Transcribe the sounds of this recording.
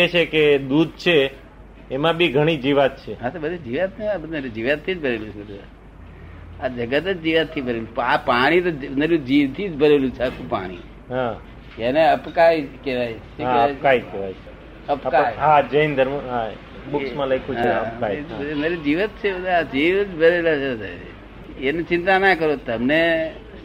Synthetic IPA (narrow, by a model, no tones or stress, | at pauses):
et͡ʃʰeked̪ud̪̚t͡ʃʰeː | mãbʱiɡʱəɽ̃id͡ʒiʋat̪̚t͡ʃʰeɦat̪obəd̪ʱed͡ʒiʋat̪neabəd̪ɾĩd͡ʒiʋat̪ʰːid͡ʒbʱəɾelũt͡ʃʰeəd̪u | ad͡ʒəɡət̪ət͡ʃd͡ʒiʋat̪ʰːibʱəɾelũpapaɽ̃it̪ond̪əɾũd͡ʒiʋt̪ʰid͡ʒbʱəɾelũt͡ʃʰakʰũpa̰ɽ̃ḭ | ɦa | jeneəpkaːikeʋaːit͡ʃʰeakaːikeʋaːit͡ʃʰ | əpkaɦãd͡ʒəind̪əɾmãɦa | bʊsmãlaikʰukand̪əɾid͡ʒiːʋət̪̚t͡ʃʰeod̪ad͡ʒiːʋt͡ʃbʱəɾelat͡ʃʰed̪a̰ | enet͡ʃɪ̃nt̪anakəɾoːt̪əmne